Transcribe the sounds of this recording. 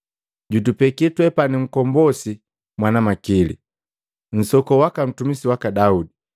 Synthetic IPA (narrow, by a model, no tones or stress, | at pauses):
ɟutupɛkitwɛpanim̩kɔmbɔsi | mwanamakilḭ | n̩sɔkɔwakam̩tumisiwakadaudi